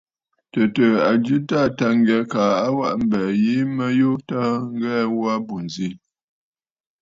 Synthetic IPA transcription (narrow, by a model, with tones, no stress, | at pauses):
tə˨tə˨a˨d͡ʒʉ˦ta˦˨ta˦ŋ˦ɡɛ˨ka˨a˦wa˦ʔm̩˨bɛ˨ji˦mə˦jo˦ta˦ŋ̩˦ɡɛ˦wwa˦bu˨n˨zi˦